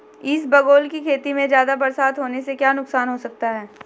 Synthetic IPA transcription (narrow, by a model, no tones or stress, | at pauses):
ɪsbɐɡoːlkikʰeːt̪imẽzjaːd̪abɐɾsaːt̪ɦoːnesekjaːnʊksaːnɦosɐk̚t̪aɦɛː